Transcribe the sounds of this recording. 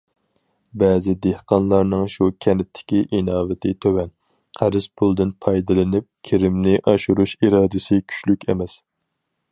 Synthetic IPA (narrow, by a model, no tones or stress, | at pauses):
bɛːzɪd̪ehqɑnlˠɑɾnɨŋʃukʲʰɛnɪt̪ʰːɪ̥kʲiʔinɑːvɪt̪ʰɪt̪ʰøwɛn | qʰæɾɪz̥pʰulˠd̪ɪnpʰɑjd̪ɨlˠɪnɪp̚kʲʰeɾɪmnɪʔɑʃuɾuʃiɾɑːd̪ɨsɨkʲʰy̥t͡ʃlykʲʰɛ̰mɛs